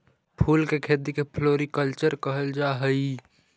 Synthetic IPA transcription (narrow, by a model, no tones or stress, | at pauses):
pʰuːlkekʰeːd̪ikepʰloːɾikəlt͡ʃəɾkəɦəld͡ʒaɦəi